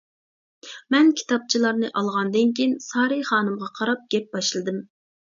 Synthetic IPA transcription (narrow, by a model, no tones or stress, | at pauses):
mɛnkʲʰi̥t̪ʰɑp̚t͡ʃʰilˠɑɾnɨʔɑlˠʁɑnd̪ɨnkʲʰinsɑːɾɨjχɑːnɨmʁɑqʰɑɾɑp̚ɡʲɛp̚b̥ɑʃlˠɨd̪ɨm